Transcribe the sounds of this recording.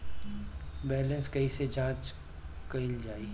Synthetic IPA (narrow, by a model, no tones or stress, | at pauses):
bɛːlə̃nskɐised͡ʒaːd͡ʒ | kɐɪld͡ʒaːi